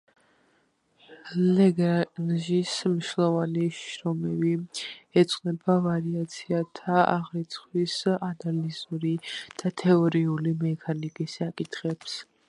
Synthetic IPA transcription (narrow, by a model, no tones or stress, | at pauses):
lɛɡanʒismiʃlˠɔvaniʃɾɔmɛviɛt̪sʼqʼnɛbavaɾiat̪sʰiat̪ʰaʔa̰ʁɾit̪sʰχwisanalizuɾid̪̥at̪ʰɛɔɾiulimɛkʰanikʼisːakʼit̪ʰχɛps